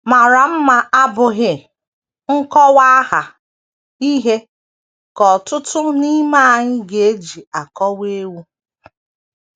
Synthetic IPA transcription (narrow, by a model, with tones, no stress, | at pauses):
ma˨ɾa˨m̩˦ma˨a˦bʊ˨ɦɪ˦ | ŋ̩˦kɔ˦wa˦ɦa˨ | i˦ɦe˦ | kɔ˨tʊ˦tʊ˦ni˦ma˦˨ɲɪ˦ɡe˨e˦d͡ʒi˨a˨kɔ˦we˦wu˦